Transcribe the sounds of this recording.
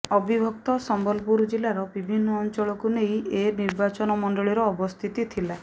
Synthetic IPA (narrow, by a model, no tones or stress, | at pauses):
ɔbibʱɔk̚t̪ɔsɔmbɔlpuɾd͡ʒilaɾɔbibʱinːɔːnt͡ʃɔɭɔkunejeniɾbat͡ʃɔnɔmɔɳɖɔɭiɾɔːbɔst̪ʰit̪it̪ʰila